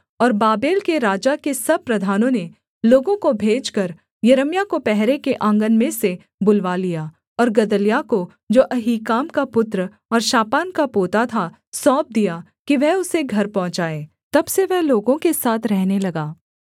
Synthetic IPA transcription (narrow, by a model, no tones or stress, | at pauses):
ɔːɾbaːbeːlkeɾaːd͡ʒakesɐb̚pɾɐd̪ʱaːnõne | loːɡõkobʱeːd͡ʒkɐɾ | jɐɾəmjakopɛɦɾekeʔãːŋɡənmẽse | bʊlʋalijaː | ɔːɾɡɐd̪əlijako | d͡ʒoːʔɐɦiːkaːmkapʊt̪ɾ | ɔːɾʃaːpaːnkapoːt̪at̪ʰa | sɔːp̚d̪ija | kiʋɛɦʊseɡʱɐɾpɔ̃ɦʊ̃t͡ʃaːeː | t̪ɐbseʋɛɦloːɡõkesaːt̪ʰɾɛɦnelɐɡaː